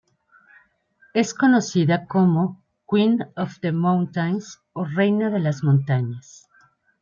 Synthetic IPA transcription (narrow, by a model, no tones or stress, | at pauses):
e̞sko̞no̞siðakomo | kwinofðemãwnt̪ajns | ore̞jnaðe̞lazmõnt̪aɲas